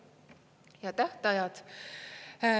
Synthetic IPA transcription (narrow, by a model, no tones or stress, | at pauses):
jɑt̪æht̪ɑjɑd̪̥